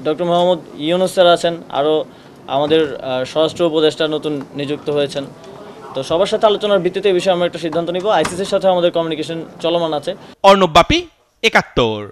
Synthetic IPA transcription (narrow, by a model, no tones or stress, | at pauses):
ɖɔk̚ʈoɾmoɦamud̪jinusaɾaat͡ɕʰena̰ɾo | a̰mad̪eɾʃɔɾasʈɾoupod̪eʃʈanot̪unːid͡ʑuk̚t̪oɦojet͡ɕʰen | t̪oʃɔbaɾʃat̪ʰealot͡ɕonaɾbʱit̪ːit̪eebiʃ̬ɔeamɾoɛk̚ʈaʃid̪ʱːant̪oniboajsiseɾʃat̪ʰeoamad̪eɾkɔmjunikeʃont͡ɕɔlomanat͡ɕʰeɔɾnobːapi | ekat̪ːoɾ